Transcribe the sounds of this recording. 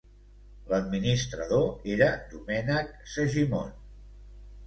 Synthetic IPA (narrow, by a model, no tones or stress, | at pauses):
ləd̪̚minist̪ɾəðoeɾəd̪umɛnək̚səʒimo̰n